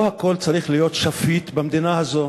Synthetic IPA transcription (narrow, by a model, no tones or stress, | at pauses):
hako̞lt͡saʁiχlijo̞t̪ʃafit̪bamd̪inahazo̞